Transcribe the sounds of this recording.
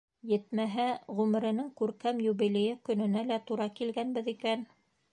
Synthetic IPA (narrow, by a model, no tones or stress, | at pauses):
jɘt̪mæɦæʁʉmɘ̆ɾɘ̆nɘŋkʉɾkæmjuβilʲejɘkɵ̆nɘ̆nælæt̪uɾɑkilɡænbɘðikæn